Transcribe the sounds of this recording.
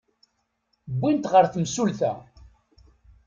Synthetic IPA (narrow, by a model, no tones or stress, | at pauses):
bʷːint̪ʁəɾθəmsulθæ